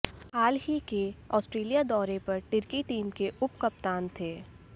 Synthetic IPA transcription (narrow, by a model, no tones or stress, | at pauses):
aːlɦikeɔːsʈɾeːlijad̪ɔːɾepɐɾʈɪɾkiʈiːmkeʔʊpkɐpt̪aːnt̪ʰeː